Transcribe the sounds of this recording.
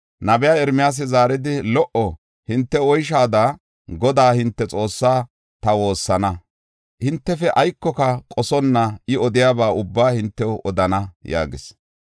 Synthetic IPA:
nɐbɛjaːɛɾmɪjaːs̬ɪzaːɾɪd̪ɪlɔʔɔ | hɪnt̪ːɛɔjʃ̬aːd̪ɐ | ɡɔd̪aːhɪnt̪ːɛt͡sʼo̞ːsːaː | t̪ɐwo̞ːsːɐnɐ | hɪnt̪ːɛfɛʔɐjkːɔkɐkʼɔsɔnːɐɪɔd̪ɪjaːbaːʊbːaːhɪnt̪ːɛwʔɔd̪ɐnɐja̰ːɡɪs

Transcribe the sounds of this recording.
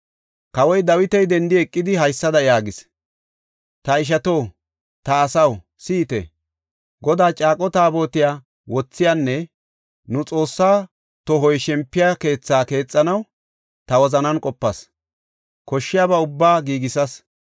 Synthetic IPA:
kɐwɔjd̪ɐwɪt̪ɛjd̪ɛnd̪ɪɛkʼːɪd̪ɪɦɐjsːɐd̪ɐjaːɡɪs | t̪ɐɪʃ̬ɐt̪o̞ː | t̪ɐːsɐw | siːt̪ɛ̰ | ɡɔd̪aːt͡ʃʼaːkʼɔt̪aːbo̞ːt̪ɪjaː | wɔt͡sːɪjanːɛ | nʊt͡sʼo̞ːsːaː | t̪ɔɦɔjʃɛmpːɪjaːke̞ːt͡sːaːke̞ːt͡sʼːɐnɐw | t̪ɐwɔzɐnɐnkʼɔpːɐs | kɔʃːɪjaːbɐʊbːaːɡiːɡɪsɐs

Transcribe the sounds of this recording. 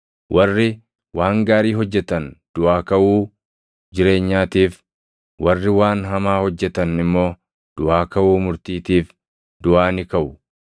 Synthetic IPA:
wʔɐrːɪ | waːŋɡaːɾiːɦɔd͡ʒːɛt̪ɐnd̪̥ʊʔaːkɐʔuː | d͡ʒɪɾe̞ːɲːaːt̪iːf | wɐrːɪwaːnɦɐmaːhɔd͡ʒːɛt̪ɐnɪmːo̞ː | d̪̥ʊʔaːkɐʔuːmʊɾt̪iːt̪iːf | dd̪̥ʊʔaːnɪkɐʔʊ

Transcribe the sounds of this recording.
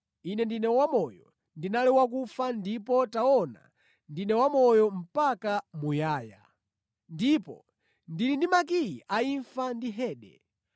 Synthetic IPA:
inɛndinɛwamɔjɔ | ndinalɛwak̬ufandipɔtaɔna̰ | ndinɛwamɔjɔm̩pakamujaːja̰ | ndipɔ̰ | ndilindimak̬ijiʔaiɱfandiɦɛːɗɛ̰

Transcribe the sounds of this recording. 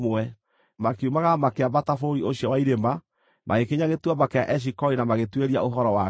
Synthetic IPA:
mɛ | makeumaɣamakeaβatafoɾioɕiɔwaiɾema | mʔaɣekeɲaɣetwamakeaʔɛʃ̬ikɔinamaɣetweɾiaoɦɔɾɔwa

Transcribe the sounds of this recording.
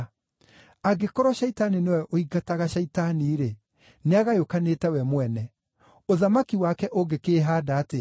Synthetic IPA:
aɡekoɾwɔʃɛitaninewɛʔoiɡataɣaʃɛitaniɾe | neaɣajokanetɛwɛmwɛnɛ | oðamakiwakɛʔoɡekeːɦaːdaːte

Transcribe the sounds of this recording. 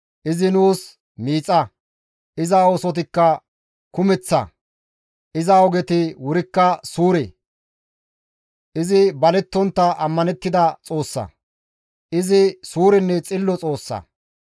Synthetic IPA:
ʔɪzɪnuːs | miːt͡sʼːɐ | ʔɪzɐoːsɔt̪̬ɪkːɐ | kʊmɛt͡sːɐ̰ | ʔɪzɐɔɡɛt̪ɪwʊɾɪkːɐsuːɾḛ | ʔɪzɪbɐlɛt̪ːɔnt̪ːɐʔɐmːɐnɛt̪ːɪd̪ɐt͡sʼo̞ːsːɐ̰ | ʔɪzɪsuːɾɪnːɛt͡sʼɪlːɔt͡sʼo̞ːsːɐ̰

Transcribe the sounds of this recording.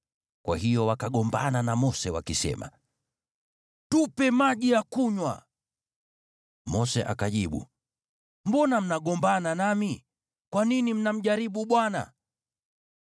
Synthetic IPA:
kwahijɔwakaɠɔmbananamɔsɛwakisɛ̰ma̰ | tupɛmaʄijakuɲwa̰ | mɔsɛʔa̰kaʄiɓṵ | mbɔnam̩naɡɔmbananami | kwaninim̩nam̩ʄaɾiɓuɓwana̰

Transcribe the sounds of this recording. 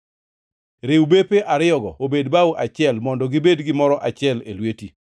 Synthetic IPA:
ɾɪwbepeʔaɾɪɔɡɔobedbawuʔat͡ʃɪɛlmɔndɔɡɪbedɡɪmɔɾɔʔat͡ʃɪɛlelweti

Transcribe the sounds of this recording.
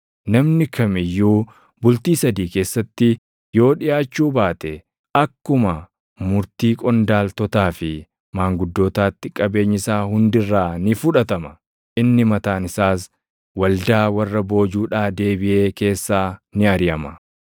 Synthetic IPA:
nɐmnɪkɐmɪjːuː | bʊlt̪iːsɐd̪iːke̞ːsːɐt̪ːɪ | jo̞ːᶑɪjaːt͡ʃːuːbaːt̪ɛ | ʔɐkːʊmɐ | mʊɾt̪iːkʼɔnd̪aːlt̪ɔt̪aːfɪ | maːŋɡʊd̪ːoːt̪aːt̪ːɪkʼɐbe̞ːɲːɪsaːhʊnd̪ɪrːaːnɪfʊᶑɐt̪ɐmɐ | ʔɪnːɪmɐt̪aːnɪsaːs | wɐld̪aːwɐrːɐbo̞ːd͡ʒuːᶑaːd̪e̞ːbɪʔe̞ːke̞ːsːaːnɪɐɾɪjɐmɐ

